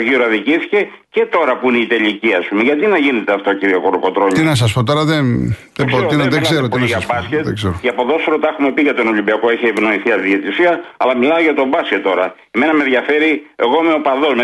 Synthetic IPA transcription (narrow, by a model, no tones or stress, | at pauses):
ʝioɾɐðiciθi̥ce̞ | ce̞t̪o̞ɾɐpuineit̪e̞liciɐspume̞ʝɐt̪inɐʝine̞t̪eɐft̪ociɾiokoɾopo̞t̪ɾo̞ɲinɐs̬ɐspot̪̬o̞ɾɐðenðesbɾoeɾoinoðeseɾot̪oiniʝɐbɐsket̪seɾoceɐpo̞ðo̞soɾot̪ɐexume̞piʝɐt̪ono̞lʲimbiɐkoiçeːvno̞iθiɐðiet̪isiɐɐlɐmilɐoʝɐt̪obɐsce̞t̪ːo̞ɾɐeme̞nɐme̞ðʝɐfe̞ɾie̞ɣo̞meo̞pɐðo̞zme